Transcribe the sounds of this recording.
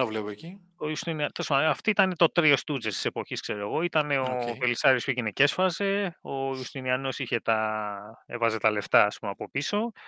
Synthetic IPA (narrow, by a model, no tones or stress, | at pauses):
ɐvlepoeci | oiust̪iniɐt̪osmɐɐft̪oit̪ɐnet̪o̞t̪ɾiost̪ud͡zest̪i̥se̞po̞çiskse̞ɾoeɣo̞it̪ɐne̞ovelisɐɾispuʝinece̞sfɐze̞o̞ust̪iniɐno̞siçe̞t̪ɐ | evɐze̞t̪ɐle̞ft̪ɐːspumeɐpo̞piso̞